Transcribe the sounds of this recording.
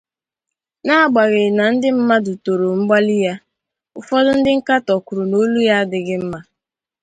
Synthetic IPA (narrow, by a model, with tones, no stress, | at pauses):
na˦a˦˨ɡ͡ba˨ɣɪ˨na˨n̩˦dɪ˦m̩˦ma˦du˨to˨ɾo˨m̩˦ɡ͡ba˦lɪ˦ja˦ | ʊ˦˨fɔ˦dʊ˦n̩˦dɪ˦ŋ̩˦ka˦tɔ˨kʊ˨ɾʊ˨no˦lu˦ja˦a˦dɪ˨ɡɪ˦m̩˦ma˦